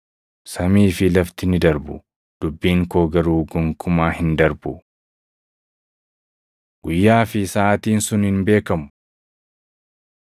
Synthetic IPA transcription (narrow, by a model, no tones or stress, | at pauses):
sɐmiːfɪlɐft̪ɪnɪd̪ɐɾbʊ̰ | d̪̥ʊbːiːŋkoːɡɐɾuːɡɔŋkʰʊmaːhɪnd̪ɐɾbʊ | ɡ̥ʊjːaːfɪsaːt̪iːnsʊnhɪnbe̞ːkɐmʊ̥